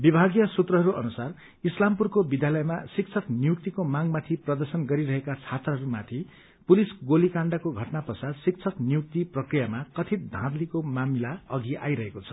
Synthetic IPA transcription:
bibʱaɡjʌsut̪rʌɦʌɾuʔʌ̰nusar | islampurkobid̪ʱjalʌjmasik̚t͡sʰʌknijuk̚t̪ikomaŋmat̪ʰiprʌd̪ʌrsʌnɡʌɾiɾʌɦekat͡sʰat̪rʌɦʌɾumat̪ʰi | pulisɡolikaɳɖʌkoɡʱʌʈnapʌsad̪sik̚t͡sʰʌknijuk̚t̪iprʌkrijamakʌt̪ʰit̪̚d̪ʱãd̪likomamilaʌɡiʔajɾʌɦekot͡sʰʌ̥

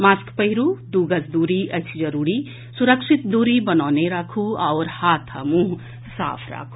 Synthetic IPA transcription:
maskpəɦiɾud̪uɡəsd̪uːɾiʔət͡ʃʰd͡ʒəɾuɾi | suɾəkʃit̪̚d̪uɾibənaːneɾakʰuaʊɾhat̪ʰə̰mũɦ | sa̰ːpʰɾa̰ːkʰu̥

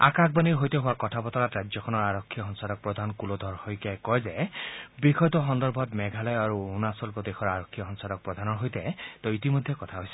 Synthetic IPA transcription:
a̰kak̚ʰbaniɹɦojt̪eɦʊwakɔtʰapɔt̪ɔɾatɹad͡ʒjɔkʰɔnɔɹaɹɔkʰːijɔɦɔnsadɔk̚pɹɔd̪ʱankulod̪ʱɔɹhɔjkjajkɔjzebikʰɔjt̪ɔɦɔnd̪ɔɹbʱɔt̪mɛɡʱalɔjaɾuunasɔlkɔd̪exʰɔɹaɹɔkʰːiɔɦɔnsadɔk̚pɹɔd̪ʱanɔɹɦojt̪ɛt̪ɔitimojd̪ʱjekɔt̪ʰaɦojsɛ̥

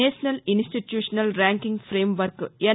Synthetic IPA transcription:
eːsɐnɐlinsʈiʈjuːʂɐnɐlɾaːŋkiŋɡfɾeːmʋɐɾkɨe

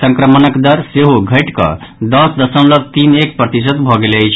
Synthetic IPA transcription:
sə̃ŋkɾəmənəkd̪əɾseɦoɡʱəʈkə̰d̪ɔsd̪əsəmlət̪inek̚pɾət̪isət̪bʱɔɡeləjt͡ʃʰ

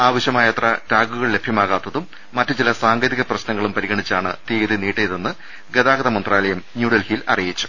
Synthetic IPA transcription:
aːʋɐɕjɐmaːjɐt̪rɐʈaːɡuɣɐɭle̞bʱjɐmaːɣaːt̪ːɐðumː | ɐtːɨt͡ɕilɐsaːŋɡɐðiɣɐprɐɕnɐŋːɐɭumpɐɾiɣɐɳit͡ɕːaːɳɨ̰t̪iːɐðiniːʈːejðenːɨ | ɡeðaːɡɐðɐmɐnd̪raːlɐjɐmnjuːɽɐlhilɐ̰rijit͡ɕːu̥

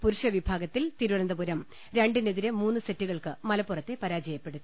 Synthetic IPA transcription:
puɾuʂɐʋibʱaːɡɐt̪ːilt̪iɾuɳɐnd̪ɐpuɾɐm | ɾe̞ɳɖineðiɾemuːnːɨsetːuɣɐɭkɨmɐlɐpːurɐt̪ːe̞pɐɾaːd͡ʑɐjɐpːe̞ɽut̪ː

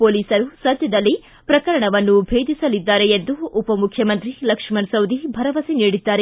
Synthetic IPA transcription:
poːliːsɐɾusɐd̪ʱjɐd̪ɐlːi | pɾɐkɐɾɐɳɐʋɐnːubʱeːd̪isɐlid̪ːaːɾeend̪uːpɐmukʰjɐmɐnt̪ɾilɐkʂmɐnsɐwd̪ʱibʱɐɾɐʋɐsiniːɽid̪ːaːɾe

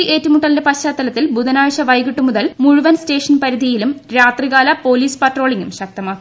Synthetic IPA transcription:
iʔe̞ːtːumuʈːɐlindepɐɕaːt̪ːɐlɐt̪ːilbuðɐnaːɻɕɐʋɐjɡiʈːumuðɐlmuɻuʋɐnste̞ːʂɐnpɐɾid̪ijilumɾaːt̪riɣaːlɐpo̞ːliːspɐʈro̞ːɭiŋɡumɕɐk̚t̪ɐmɐ

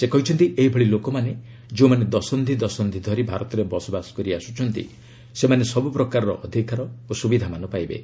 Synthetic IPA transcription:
sekɔɦit͡ʃʰɔnt̪iʔeɦibʱɔɭilokɔmane | d͡ʒeũmaned̪ɔsɔnd̪ʱid̪ɔsɔnd̪ʱid̪ʱɔɾibʱaɾɔt̪ɔɾebɔsɔbasɔ̥kɔɾiasu̥t͡ʃʰɔnt̪ḭ | semanesɔbupɾɔkaɾɔɾɔ̰ʔɔd̪ʱikaɾɔosubid̪ʱamanɔpajbḛ

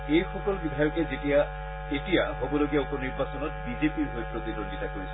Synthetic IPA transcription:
xejxɔkɔlbidʱajɔkɛzetija | etijaɔbɔloɡijaupɔniɹbasɔnɔtbizepiɹɦojpɹot̪idonditakoɹisɔ̥

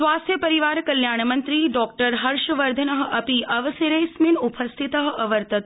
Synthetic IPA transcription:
sʋaːst̪ʰjəpɐɾiʋaːɾkɐljaːɳmɐnt̪ɾiɖɔːk̚ʈəɾɦɐɾʃʋɐɾd̪ʱənɐɦ̆ɐpiʔɐʋɐseɾɐjsminupɐst̪ʰit̪əɦ̆ɐʋɐɾt̪ɐt̪

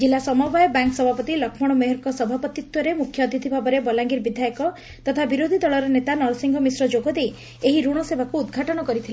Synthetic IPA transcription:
d͡ʒilːasɔmɔbajɔbaŋksɔbʱapɔt̪ilɔkʰmɔɽ̃ɔmeɦɔɾkɔsɔbʱapɔt̪it̪wɔɾemukʰjɔd̪ʱit̪ʰibʱabɔɾebɔlaŋɡiɾbid̪ʱajɔkɔ | t̪ɔt̪ʰabiɾod̪ʱid̪ɔɭɔɾɔnet̪anɔɾsiŋɡʱɔmisɾɔd͡ʒoɡɔd̪e | eɦiɾuɽ̃ɔsebakuːd̪ɡʱaʈɔɽ̃ɔkɔɾit̪ʰil

